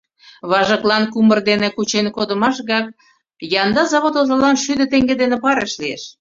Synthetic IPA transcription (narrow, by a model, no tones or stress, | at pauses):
βɑʒəklɑnkumərd̪enekut͡ɕenkod̪ə̆mɑʃɣɑk̚ | jɑnd̪ɑzɑβot̪ozəlɑnʃyd̪ə̆t̪eŋɡed̪enepɑɾeʃlieʃ